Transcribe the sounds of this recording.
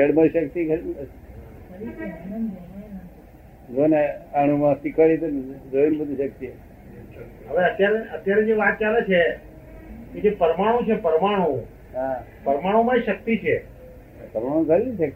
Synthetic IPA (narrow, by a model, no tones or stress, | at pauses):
d͡ʒəɽmaʃəkt̪ikəɾ | zoneaɽ̃umãsikaɭit̪enɾoinbəd̪ʱiʃəkt̪ie | ɦəʋeət̪jaɾeʔət̪jaɾed͡ʒeʋat̪̚t͡ʃalet͡ʃʰe | ked͡ʒepəɾmaɽ̃õt͡ʃʰepəɾmaɽ̃õ | ɦa | pəɾmaɽ̃omãʃək̚t̪it͡ʃʰḛ | pəɾmaɽ̃õkʰəɾiniʃək̚t̪i